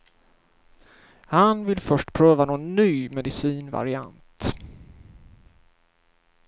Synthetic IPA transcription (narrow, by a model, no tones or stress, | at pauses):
hanvɪlfœʂʈpʰɾøːvanoːnːyːmɛd̪ɪsiːnva̰ɾɪa̰nt̪